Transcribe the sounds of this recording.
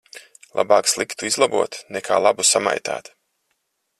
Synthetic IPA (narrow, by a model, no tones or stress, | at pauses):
lˠʔa̰baːkslˠikt̪uizlˠabṵɔt̪nɛkʰa̰ːlˠabusama̰jt̪a̰ːt̪